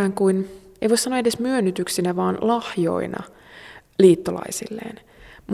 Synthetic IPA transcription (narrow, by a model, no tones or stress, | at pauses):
ŋkuinḛiʋoisɑnoedesmyønːyt̪yksinæʋɑːnlɑhjo̞̰inɑ̰ | liːt̪ːolɑ̰isḭlːḛːn | m